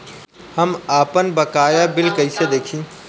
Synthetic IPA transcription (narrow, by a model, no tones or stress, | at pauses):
hɐmaːpənbɐkaːjabɪlkɐɪsed̪eːkʰĩː